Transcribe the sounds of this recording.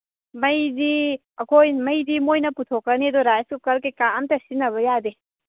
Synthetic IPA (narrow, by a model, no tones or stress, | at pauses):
mɐjdi | ɐkʰojmɐjdimojnɐputʰokːɐnedoɾajskukɐɾkekaɐmtɐsinɐβɐjade